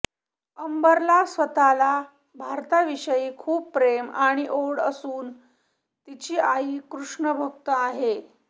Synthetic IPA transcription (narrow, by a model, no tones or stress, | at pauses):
əmbəɾlasʋət̪ala | bʱaɾt̪aʋiʂəjiːkʰuːpːɾemaɽ̃iʔoɽə̰suːn | t̪it͡ɕiːʔaiːkɾuʂɳəbʱək̚t̪əaɦe